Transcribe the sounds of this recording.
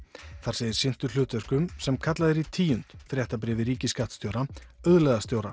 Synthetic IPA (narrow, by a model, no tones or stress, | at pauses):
θaɾ̥ejðɪɾ̥sɪn̥t̪ʏ̥lʏːt̪vœr̥kʏmsɛmkʰat̪laðɪɾit̪ʰiːjʏn̥t̪fɾjɛht̪ap̬ɾɛːvɪɾiːcɪskaht̪st̪jowɾaœðlɛðast̪jowɾa